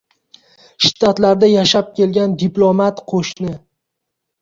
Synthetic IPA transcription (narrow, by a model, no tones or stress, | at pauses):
ʃɪ̥t̪ʰat̪laɾd̪ajaʃap̚kʲʰe̞lɡʲand̪iplˠomat̪qʰoʃnɪ